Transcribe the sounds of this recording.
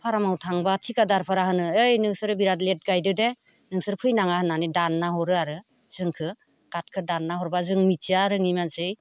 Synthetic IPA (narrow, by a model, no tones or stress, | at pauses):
pʰaɾamawtʰaŋbatʰikadaɾpʰaɾaɦɯnɯɯjnɯŋsɯɾɯbiɾatlet̚ɡajdɯde | nɯŋsɯɾpʰujnaŋahɯnːanidanːaɦɔɾɯaɾɯ | z̥ɯŋkʰɯ | ɡ̥at̚kʰɯdanːaɦɔɾbazɯŋmit͡ʃiaɾɯŋimansɯj